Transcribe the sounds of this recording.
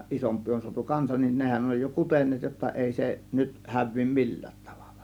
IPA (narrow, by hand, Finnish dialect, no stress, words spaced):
isompˑiː on suɑtu kɑnsɑn nin nehæn oj jo kutenˑeːt jotːɑ eˑi se nyt hæʋˑiː mi̞lːæ̥ːt tɑ̥ʋ̥ɑ̥l̥ːɑ̥